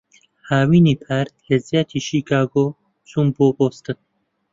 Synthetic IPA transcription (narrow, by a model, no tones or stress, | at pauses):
haːwiːniːpʰaːɾt̪̚kezjaːt̪ʰiːʃiːkʰaːɡoː | t͡sumboːboːst̪ɨn